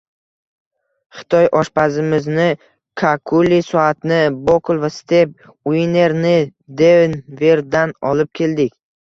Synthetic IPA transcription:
χɪ̥t̪ʰɒjʔɒʃpazɪmɪznɪ | kʰakʰulisɒat̪nɪbokʰʊlˠvast̪ʰe̞p̚ | ʊine̞ɾnɪd̪evnve̞ɾd̪anɒlɪp̚kʲʰe̞ld̪ɪkʲ

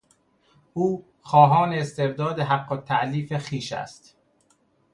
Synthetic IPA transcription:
ʔuː | xɒːɦɒːneːst̪e̞bd̪ɒːd̪eɦæɡːot̪ʰːæʔliːfexiːʃæ̰st̪

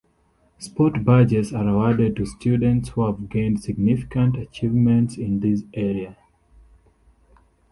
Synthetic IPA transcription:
spɔtbad͡ʒɛtsaɹəwadɛd̚tustʰjudə̃ntshuhavɡẽɪ̃ndsɪɡ̚nifi̥kə̃ntət͡ʃivmɛ̃ntsɪ̃nðisʔɛɹia

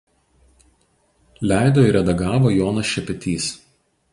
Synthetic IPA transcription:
lʲæˑɪd̪oːɪɾʲɛd̪ɐɡɑːʋoːjoːnɐsʃʲɛpʲɛt̪ʲiːs

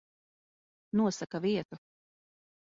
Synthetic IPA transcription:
nuɔsakaviɛt̪u

